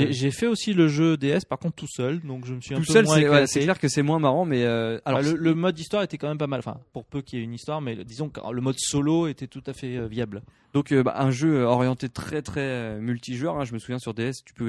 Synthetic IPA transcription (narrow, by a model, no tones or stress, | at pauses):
ʒeʒefɛosiləʒød̪eɛspaʁkɔ̃t̪t̪usœld̪ɔ̃kʒəməsɥiɛ̃upøsœlwsɛ̃vwalasɛklɛʁkəsɛmwɛ̃maʁɑ̃mɛøalɔʁʁlələmɔd̪ːist̪waʁet̪ɛkɑ̃mɛmpamalʔɑ̃fɛ̰̃puʁpøkʲiɛynist̪waʁmɛd̪izɔ̃kləmɔd̪soloet̪ɛt̪ut̪afɛøvjabl | d̪ɔ̃køba̰ʔɛ̃ʒøøɔʁjɑ̃t̪et̪χɛt̪χɛmylt̪iʒœʁɛ̃ʒəməsuvjɛ̃syʁd̪eɛst̪y̥pø